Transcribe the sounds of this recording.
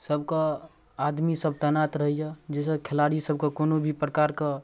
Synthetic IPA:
səbkə | ad̪misəb̚t̪ɛnat̪ɾəɦijad͡ʒɛsəkʰɛlaɽisəb̚kəkonobʱipɾəkaɾkə

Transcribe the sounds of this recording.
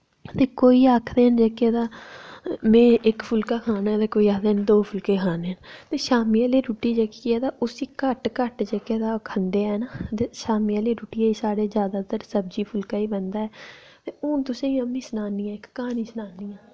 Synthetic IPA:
t̪eːkoːiːaːkʰd̪eːnd͡ʒeːkeːd̪aː | mẽːɪkpʰʊlkaːkʰaːnaːt̪eːkoːiːaːkʰd̪eːnd̪oːpʰʊlkeːkʰaːnent̪eːʃaːmiːaːliːɾuːʈiːd͡ʒeːkiɛːd̪aːʔʊsiːkəʈkəʈd͡ʒeːkeːd̪aːkʰənd̪eːɦɛnat̪eːʃaːmiːaliːɾuːʈiːaːiːsaːɽeːzjaːd̪aːt̪əɾsəb̚d͡ʒiːpʰʊlkaːiːbənd̪aːɛː | t̪eːʊ̃ːt̪ʊsẽːĩːəmĩːsənaːnijãːɪkːaːniːsənaːniːãː

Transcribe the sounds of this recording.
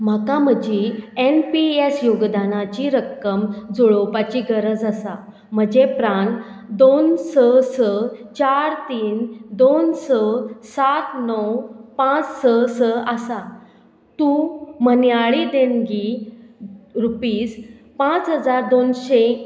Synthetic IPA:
m̤akam̤əd͡ʑienpiesjoɡd̪anat͡ɕiɾəkːəmd͡zoɭopat͡ɕiɡəɾəd͡zəsa | m̤əd͡ʑepɾaɳd̪onsəsət͡ɕaɾt̪iːnd̪onsəsat̪nɔwpãt͡ssəsəəsa | t̪ũmənjaɭid̪enɡi | ɾupiːs | pãt͡sɦəd͡zaɾd̪onɕe

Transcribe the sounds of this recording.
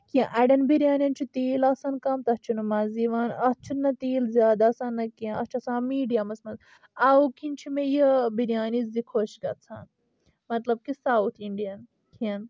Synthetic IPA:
kiɐ̃ʔɐɖɐnbiɾjaːnʲɐnt͡ʃʰit̪eːlɐsɐnkɐmt̪ɐst͡ʃʰunumɐziʋaːnɐst͡ʃʰunːɐt̪eːlzjaːd̪aːsaːnːɐkiɐ̃ɐt͡ʃʰɐsãːmiːɖijɐmɐsmɐz | ɐwkinʲt͡ʃʰimejəbiɾjaːnit͡szikʰoʃɡɐt͡sʰa̰ːn | mɐt̪lɐb̚kisawt̪ʰiɳɖijɐn | kʰin

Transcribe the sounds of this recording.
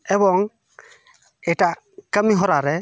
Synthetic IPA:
ɛbɔŋ | eta | kamiɦɔɾaɾe

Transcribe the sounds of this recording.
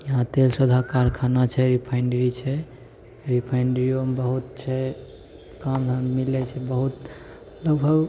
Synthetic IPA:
jəɦãt̪elsəd̪ʱakaɾkʰanat͡ʃʰɛɾipʰaɪɳɖəɾit͡ʃʰɛ | ɾipʰaɪɳɖəɾiomebəɦut̪̚t͡ʃʰɛ | kamɦəmmilɛt͡ʃʰɛbəɦut̪ | ləɡbʱəɡ

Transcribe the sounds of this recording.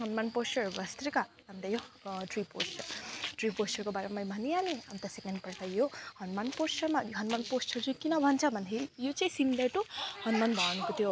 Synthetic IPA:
ɦʌnmanpost͡ʃʌrbʌst̪rikabʱʌnt̪ʌjoʈriposʈʰʌʈriposʈʌrkobaɾeamajbʱʌnijanea̰nt̪asekenɖpʌɽt̪ʰajohʌnmanposʈʌrmajoɦʌnmanpost͡ʃʌrd͡zũkinʌbʱʌnt͡sʰʌbʱʌnt̪ʰejot͡saĩsind̪eʈuhʌnmanbʱʌnukot̪ʰjo

